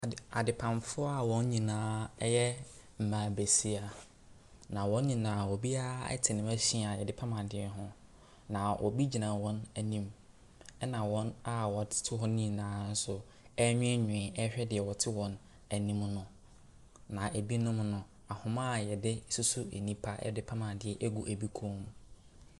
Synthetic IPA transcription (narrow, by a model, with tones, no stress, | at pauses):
a˨dɪ˨pʰã˨mfʊ˦a˦˨wɔ̃˦n˦ɲĩ˨nãː˦ɛ˦jɛ˦ | m̩˨mãː˨be˨si˦a˨ | nã˨wɔ̃˦n˦ɲĩ˨nã˨wɔ˨bi˦a˦ɛ̰˦tʰɪ˨nɪ̃˨mæ˦ɕĩ˦a˨jɛ˨dɪ˦pʰã˦mã˨dɪ˨ɛ˦ɦʊ̃˦ | nã˨wʔɔ̰˨bi˦d͡ʑi˨nã˨wɔ̃˦næ˨nĩ˦m | ɛ˦nã˨wɔ̃˦na˦wɔ˨tʰɪ̥˦tʰʊ˦ɦɔ̃˦nĩ˦nãː˨˦n̩˦sʊ˦ | ɛ˦ɲʊ̃˦ɛ˦ɲᶣʊ̃˨ɪ̃˨ɛ˦ɕᶣɛ˦dɪ˨ɛ˨wɔ˨tʰɪ˦wɔ̃˨n | æ˨nĩ˦mnʊ̃˨ | nã˨ʔæ˨bi˦nʊ̃˦mnʊ̃˨ | a˨hʊ̃˦mã˦˨jɛ˨dɪ˦su˦su˦ḛ˨nĩ˦pʰa˦ʔɛ̰˦dɪ˦pʰa˦mã˨dɪ˨ɛ˦ʔe˦ɡu˨ʔæ˨bi˦kʰũ˦m˨